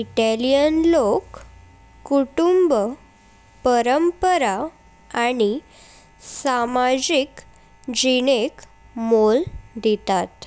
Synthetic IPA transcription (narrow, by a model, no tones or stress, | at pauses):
iʈelijənlokː | uʈumb | pəɾəmpəɾa | aɽ̃i | samad͡ʑik | d͡ʑinek | mold̪it̪at̪